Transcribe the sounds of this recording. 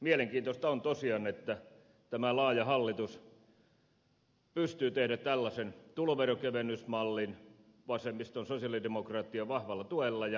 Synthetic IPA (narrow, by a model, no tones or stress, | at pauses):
mieleŋkiːnt̪ost̪ɑont̪osiɑnet̪ːæ | t̪æmælɑːjɑhɑlːit̪us | pyst̪yːt̪ehdætt̪ælːɑsent̪uloʋerokeʋenːˑysmɑlːin | ʋɑsemist̪onsosiɑlidemokrɑːt̪ːiɑʋɑhʋɑlːˑɑt̪uelːɑjɑ